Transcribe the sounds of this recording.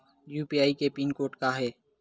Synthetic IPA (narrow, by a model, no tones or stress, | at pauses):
juːpiːaːiːkeːpiːnkoːʈkaːɦɛː